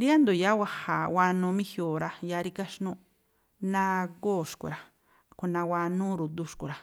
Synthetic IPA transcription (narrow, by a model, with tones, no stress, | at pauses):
ɾi˦a˦nd̪o˨ja˦wa˧ha˨wa˧nũ˧mĩ˦hjo˨ɾa˧ja˧˦ɾi˧ka˦ʃnũ˧˦ | nã˦˧ɡoː˦˨ʃkṵ˨ɾa˨ | ku˧nã˧wa˧nũ˦ɾu˨d̪u˧˦ʃku˨ɾa˨